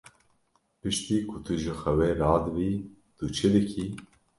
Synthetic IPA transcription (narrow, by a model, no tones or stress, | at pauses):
pɨʃt̪iːkʰʊt̪ʰɨʒɨxɛwɛɾɑːd̪ɨbi | t̪ut͡ʃʰed̪ɨkʰiː